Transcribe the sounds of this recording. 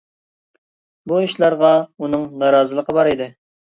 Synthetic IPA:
buiʃlˠɑɾʁɑunɨŋnɑɾɑːzɨəlˠəqʰəbɑɾid̪ɪ

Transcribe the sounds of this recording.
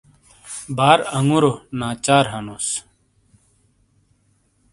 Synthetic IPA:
baːɾɐŋuɾonaːt͡ɕaːɾɦɐnos

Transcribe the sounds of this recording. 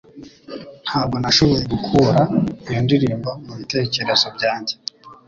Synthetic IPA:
n̥haːb̚ɡo̞naʃoβoɾeɡukʰuɾaijondiɾiːmbamuβite̞ːce̞ɾe̞zobɟaːɲɟe

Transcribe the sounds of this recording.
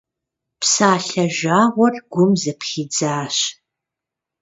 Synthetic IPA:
psaːɬɐʒaːʁʷɔrɡ̥ʷʊmzɐpχiːd͡zaːɕ

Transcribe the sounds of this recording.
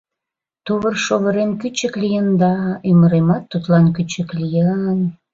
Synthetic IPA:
t̪oβərʃoβəɾenkyt͡ɕəklijənd̪ɑyməɾemɑt̪ːut̪lɑnkyt͡ɕəklʲijən

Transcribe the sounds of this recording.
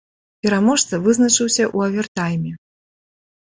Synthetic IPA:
pʲɛɾamɔʂt̪sɐvɨznɐt͡ʂɨwsʲɐʔuɐvʲɛrt̪ajmʲɛ

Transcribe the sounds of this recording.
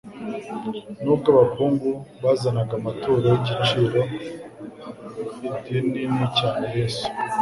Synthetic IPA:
nukaβakuːŋɡuβazanaɡamatoːɾajiɟit͡ʃiːɾo̞ | tininicaːnejesu̥

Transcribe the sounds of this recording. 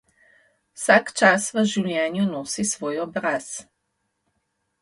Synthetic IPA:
wsakt͡ʃasʋəʒiwljɛːnjunɔːsisʋɔːjɔbɾaːs

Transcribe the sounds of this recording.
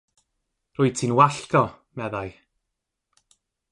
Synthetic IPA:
rʊːɨ̥tʰinwaɬkɔ | mɛðaj

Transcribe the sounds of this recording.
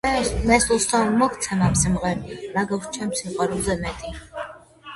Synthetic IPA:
mɛslˠst̪ʰanmɔkʰt̪sʰanamsimʁɛniɾaɡakst͡ʃʰɛmsimqʼaɾulˠzɛmɛt̪ʼi

